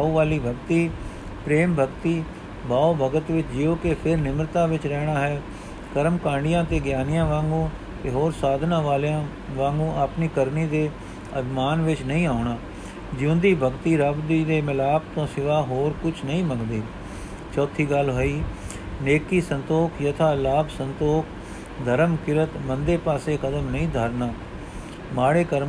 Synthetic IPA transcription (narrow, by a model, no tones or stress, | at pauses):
oːʋaːliːbʱəɡt̪iː | pɾeːmbʱəɡt̪iː | baːoːbəɡət̪ʋɪt͡ʃd͡ʒɪjoːkepʰɪɾnɪmɾət̪ãːʋɪt͡ʃɾɛːɽ̃aːɦɛː | kəɾmkãːɳɖɪjãːt̪eːɡjaːnɪjãːʋãːŋɡõː | t̪eːɦoːɾsaːd̪nãːʋaːlã | ʋãːŋɡõːʔapniːkəɾniːd̪eː | əbʱɪmaːnʋɪt͡ʃnəĩːaːʊɳaː | d͡ʒɪʊ̃nd̪iːbʱəɡt̪iːɾəbd̪iːd̪eːmɪlaːp̚t̪õːsɪʋaːɦoːɾkʊt͡ʃʰnəĩːməŋɡd̪eː | t͡ʃɔːt̪ʰiːɡəlɦoːiː | neːkiːsənt̪oːkʰjət̪ʰaːlaːbsənt̪oːkʰ | d̪ʱəɾəmkɪɾət̪mənd̪eːpaːseːkʰəd̪əmnəĩːd̪ʱaːɾnaː | maːɽeːkəɾ